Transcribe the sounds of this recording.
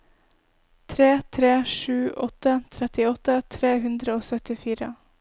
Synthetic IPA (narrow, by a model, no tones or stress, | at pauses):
t̪ʰɾeːt̪ʰɾeːʃʉːʔɔt̪ət̪ʰɾɛt̪ɪɔt̪ət̪ʰɾeːhʉnd̪ɾəoːsœt̪ɪfiːɾə̰